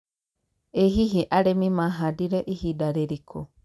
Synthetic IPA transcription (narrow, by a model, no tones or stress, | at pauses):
eɦiɦiʔaɾemĩmãɦadiɾeʔihidaɾeɾikʰo